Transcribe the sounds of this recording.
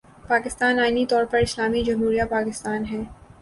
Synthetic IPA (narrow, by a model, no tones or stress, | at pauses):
paːkɪst̪aːnaːɪnit̪ɔːɾpɐɾɪslaːmid͡ʒɐmɦuːɾijapaːkɪst̪aːnɦɛː